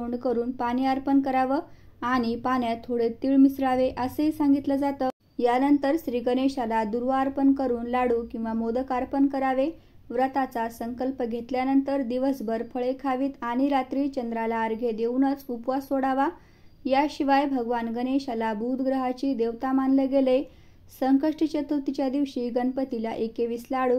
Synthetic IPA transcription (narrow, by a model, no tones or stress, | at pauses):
oɳɖkəɾuːnpaɽ̃iaɾpənkəɾaʋəaɽ̃ipanjat̪ʰːoɽet̪iːɭmisɾaʋeʔəsəisaŋɡit̪ləd͡zat̪əː | janənt̪əɾɕɾiːɡəneɕalad̪uɾʋaːɾpənkəɾuːnlaɽuːkĩw̃ʋamod̪əkaɾpənkəɾaʋe | ʋɾət̪at͡sasəŋkəlpəɡʱet̪ljanənt̪əɾd̪iʋəsbəɾpʰəɭekʰaʋiːt̪aɽ̃iɾat̪ɾiːt͡ɕənd̪ɾalaːɾɡʱed̪eʋnət͡supʋasoɽaʋa | jaɕiʋajbʱəɡʋanɡəneɕalabʱud̪ʱɡɾəɦat͡ɕiːd̪eʋt̪amanleɡele | səŋkəʂʈət͡ɕət̪ʰət̪it͡ɕjad̪iʋɕiːɡənpət̪ilaʔekeʋislaɽuː